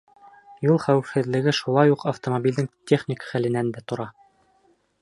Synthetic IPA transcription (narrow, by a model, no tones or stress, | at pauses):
julˠχæwɘ̆fhɘ̆ðlɘ̆ɡɘʃulˠɑjuqʰɐft̪omobʲild̪ɘŋt̪ʲeχnʲikχælɘ̆nænd̪æt̪ŏɾɑ